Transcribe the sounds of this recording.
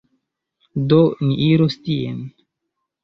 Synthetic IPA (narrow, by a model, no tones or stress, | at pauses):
doniʔiɾostiḛn